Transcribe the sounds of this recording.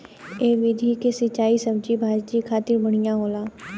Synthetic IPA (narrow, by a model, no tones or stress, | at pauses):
eːʋɪd̪ʱikesɪt͡ʃaːisɐb̚d͡ʒibʱaːd͡ʒd͡ʒikʰaːt̪ɪɾbɐɽ̃ijãɦoːlaː